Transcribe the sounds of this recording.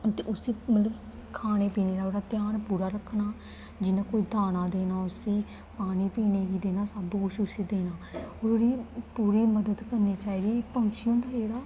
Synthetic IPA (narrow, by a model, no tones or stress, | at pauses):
t̪eːʔʊsiːmət̪ləb | kʰaːɽ̃eːpiːneːɾaoːɽaːt̪jaːnpuːɾaːɾəkʰnaː | d͡ʒɪnaːkoːiːd̪ʱaːnaːd̪eːnaːʊsiː | paːniːpiːneːɡiːd̪eːnaːsəbkʊt͡ʃʰʊsiːd̪eːnaːoːɾoːɽiːpuːɾiːməd̪əd̪kəɾneːt͡ʃaːiːd̪iːpəŋʃijõːnd̪aːd͡ʒeːɽaː